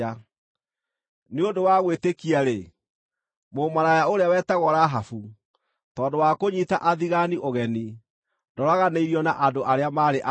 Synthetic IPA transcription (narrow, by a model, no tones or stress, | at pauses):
a | neodowaɣwetekiaɾe | momaɾajaoɾeawɛtɛɣɔɾaɦafu | tɔːndowakoɲitaʔaðiɣaniʔoɣɛni | dɔɾaɣaneiɾiɔnaʔandoʔaɾeamaɾeʔa